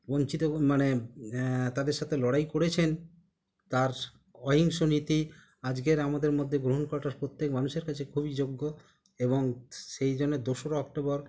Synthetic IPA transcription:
bont͡ɕit̪omane | t̪ad̪eɾʃat̪ʰelɔɽajkoɽet͡ɕʰen | t̪aɾ | ɔɦiŋʃonit̪i | ad͡ʑɡeɾamad̪eɾmod̪ʱːeɡɾoɦonkɔɾaʈaɾpɾot̪ːekmanuʃeɾkat͡ɕʰekʰubid͡ʑoɡːo | eboŋʃejd͡ʑonːed̪oʃoɾoɔk̚ʈobɔɾ

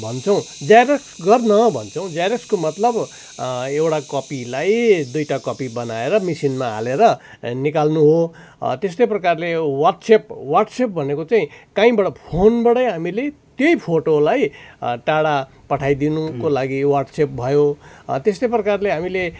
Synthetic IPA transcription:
bʱʌnt͡sʰʌw̃d͡zajɾʌksɡʌrnʌbʱʌnt͡sʰʌ̃w̃d͡zajɾʌkskomʌt̪lʌb | ewʈakʌpilajd̪ujʈakʌpibʌnaeɾʌmisinma̰ːleɾʌ | nikalnuɦo | t̪est̪ʌjprʌkarlewʌrʈsep̚warʈsep̚bʱʌnekot͡saĩkãĩbʌɽʌpʰonbʌɽʌjɦamilet̪jojpʰoʈolajʈaɽa | pʌʈʰajd̪inukolaɡiwarʈsep̚bʱʌjot̪est̪ʌjprʌkarleɦamile

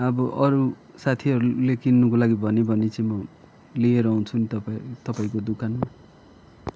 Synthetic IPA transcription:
ʌbʌʔʌɾu | sat̪ʰiʌɾulekinːukolaɡibʱʌnebʱʌnet͡sʌĩmʌ | lijeɾʌũt͡sʰunit̪ʌpat̪ʌpaĩkod̪ukanma

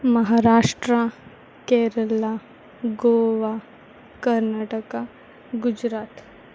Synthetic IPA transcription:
məɦaːɾaːʂʈɾa | keɾəla | ɡoːʋa | kəɾnaːʈəka | ɡud͡ʒɾaːt̪

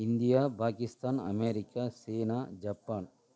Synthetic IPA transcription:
ind̪ijaːpaːkist̪aːnɐ̰meːɾikaːseːnaːd͡ʒɐpːaːn

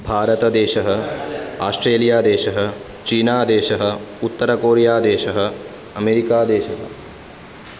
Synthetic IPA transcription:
bʱaːɾɐt̪ɐd̪eːʃɐɦɐaːsʈɾeːlijaːd̪eːʃɐɦɐ | t͡ʃiːnaːd̪eːʃɐɦɐut̪ːɐɾɐkoːɾijaːd̪eːʃɐɦɐ | ɐmeːɾikaːd̪eːʃɐɦɐ̰

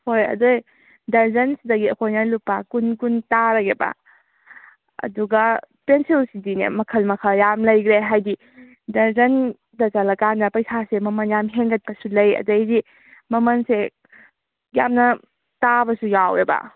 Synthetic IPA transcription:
hojɐ̰doj | dɐɾzɐnsidɐɡiɐkʰojnɐlupːakunkuntaɾɐɡeba̰ | ɐ̰duɡapensilsidinḛmɐkʰɐlmɐkʰajamlɐjɡɾeɦajdi | dɐɾzɐn | dɐzɐlɐkandɐpɐjsasemɐmɐnjamɦeŋɡɐt̚pɐsulɐjɐ̰dɐjdi | mɐmɐnse | ja̰mnɐ | tabɐsujawebɐ̰

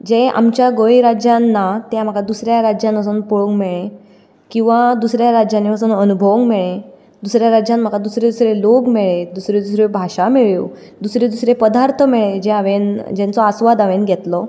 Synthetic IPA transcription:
d͡ʑea̰mt͡ɕjaɡoiɾad͡ʑjãnːat̪jam̤akad̪usɾjaɾad͡ʑjãnəs̬uːnpoɭũŋɡmeɭẽ | kĩw̃ʋad̪usɾjaɾad͡ʑjanːiʋəs̬uːnənubʱəʋəŋɡmeɭẽ | d̪usɾjaɾad͡ʑjãnm̤akad̪usɾed̪usɾeloɡmeɭed̪usɾed̪usɾebʱaɕameɭew | d̪usɾed̪usɾepəd̪aɾt̪ʰəmɛɭed͡ʑeaʋend͡ʑɛ̃nt͡sɔasʋad̪aʋenɡʱɛt̪lɔ

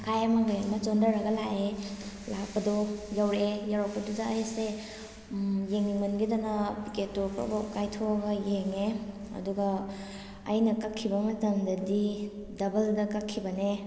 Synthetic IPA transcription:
kʰajamɐɡajamɐt͡ʃondɐɾɐɡɐlae | lak̚pɐdojawɾejaɾapɐdudaːjse | jeŋmɐnɡidanapiketːupa̰bakajtʰoɡɐjeŋe | ɐ̰duɡɐː | jnɐkakʰːibɐmɐtɐmdɐdi | dɐbɐldɐkakʰːibɐne

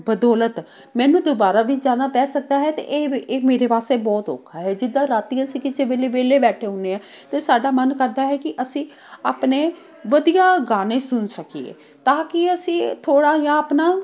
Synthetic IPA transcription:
bəd̪ɔːlət̪ | mɛ̃ːnũːd̪oːbaːɾaːʋiːd͡ʒãːnaːpɛːsək̚d̪aːɦɛːt̪ḛʔːmeːɾeːpaːst̪eːbɔːt̪o̰ːkʰːaːɦɛːd͡ʒɪd̪ːãːɾaːt̪iːəsĩːkɪsẽːʋeːleːʋeːleːbɛːʈʰeːɦʊ̃neːaːt̪eːsaːɖaːmənkəɾd̪aːɦɛːkɪʔəsĩː | aːpneː | ʋəd̪ijaːɡaːnẽːsʊnsəkiḛː | t̪ãːkɪəsĩːt̪ʰoːɽaːjãːəpnaː

